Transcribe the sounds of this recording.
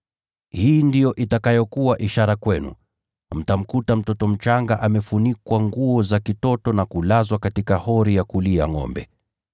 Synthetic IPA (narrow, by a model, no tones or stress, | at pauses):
hiːndijɔʔitakajɔkuwaʔiʃaɾakwɛnṵ | m̩tam̩kutam̩tɔtɔm̩t͡ʃaŋɡaʔamɛfunikwaŋɡuɔzakitɔtɔnakulazwakatikahɔɾijakuliaŋɔ̰mbɛ̰